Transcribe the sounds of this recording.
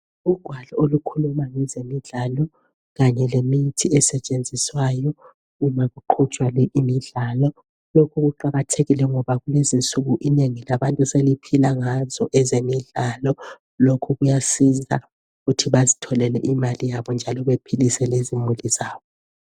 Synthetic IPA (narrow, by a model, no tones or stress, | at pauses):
uɡ̥ʱwaɮɔolukʰulumaŋɛzemiɮalɔ | ɣaɲɛlemitʰiɛsɛt͡ʃʼend͡zʱiswajɔ | umaɣuǃʰut͡ʃʼwalɛʔimiɮaːlɔ | lokʰuɣ̬uǃaɣatʰeɣilɛŋɔβaɣulezint͡sʼuɣuʔineŋilaɓantʼuselipʰilaŋazɔʔɛzemiɮaːlɔ | lokʰuɣujasiza̰ | ɣutʰiβazitʰɔlɛlɛ̰ʔimalijaɓɔnd͡ʒʱalɔβepʰilisɛlezimuliz̥aːβɓɔ